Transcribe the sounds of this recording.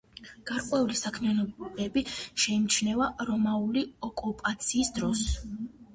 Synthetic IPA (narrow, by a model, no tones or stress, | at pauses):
ɡ̥aɾkʼwɛulisakʰmianɔbɛbiʃɛimt͡ʃʰnɛvaɾɔmauliɔkʼupʼat̪sʰiːsd̪ɾɔs